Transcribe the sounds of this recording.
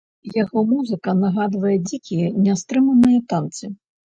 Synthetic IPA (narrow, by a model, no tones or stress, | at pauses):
jaɣɔmuzɨkɐnaɣad̪vɐjɛd͡zʲikʲijɛnʲast̪ɾɨmɐnɨjɐt̪ant̪sɨ